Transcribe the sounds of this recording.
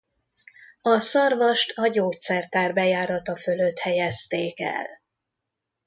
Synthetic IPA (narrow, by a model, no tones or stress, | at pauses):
ɒsɒrvɒʃt̪ʰɒɟoːt̪sɛrt̪aːrbɛjaːɾɒt̪ɒfø̞løt̪hɛjɛst̪eːkɛ̰l